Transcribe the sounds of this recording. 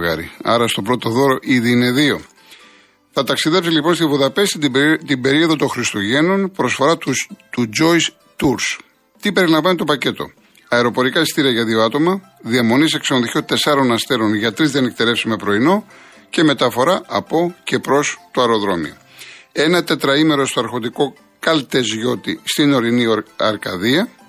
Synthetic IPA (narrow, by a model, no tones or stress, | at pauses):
ɣɐ̰ɾḭɐ̰ɾɐst̪o̞pɾo̞t̪o̞ðo̞ɾo̞ʔiðiine̞ðio̞ | θɐt̪ɐksiðe̞psilipo̞nst̪ivuðɐpe̞sit̪t̪ibe̞ɾio̞ðot̪oŋxɾist̪uʝe̞no̞npɾo̞sfo̞ɾɐt̪ud͡ʒo̞js | t̪uɾs | t̪ipe̞ɾilɐɱvɐnit̪opɐce̞t̪o̞̰ | ɐeɾo̞po̞ɾikɐist̪iɾiɐʝɐðio̞ɐt̪o̞mɐ | ðiɐmo̞nise̞ksɐnoðiçot̪e̞sɐɾo̞nɐst̪e̞ɾo̞nʝɐt̪ɾizðiɐne̞k̚t̪e̞lefsime̞pɾo̞ino̞ | ce̞me̞t̪ɐfo̞ɾɐʔɐpo̞ce̞pɾo̞st̪oɐɾo̞ðɾo̞mḭo | e̞nɐt̪e̞t̪ɾɐime̞ɾo̞st̪oɐɾxo̞t̪iko̞ | kɐlt̪e̞zʝo̞t̪ist̪ino̞ɾiniɐ̰ɾkɐðiɐ